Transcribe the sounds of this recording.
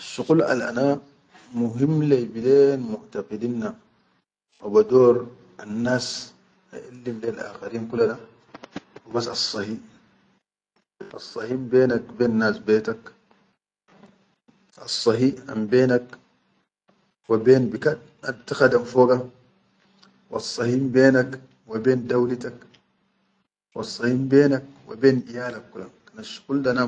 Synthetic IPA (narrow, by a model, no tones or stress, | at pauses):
ʃuqulʔa̰lʔa̰na | muɦimːlejbileːnmuʔt̪ɑqidinːa | wabad̪oːɾ | anːaːs | a̰ʔalːimleːlʔa̰ːxaɾiːnkulːana | wibasɑsˤːɑhi | ʔɑ̰sˤːɑhimbeːnak̚beːnːaːsbeːt̪ak | ʔɑ̰sˤːɑɦiːa̰mbeːnak | wabeːnbikad̚ | ʔant̪axad̪amfoːɡa | wɑ̰sˤːɑhiːmbeːnak | wabeːndawlit̪ak | wɑ̰sˤːɑhiːmbeːnak̚wa̰beːnijaːlakːulakanaʃkuldana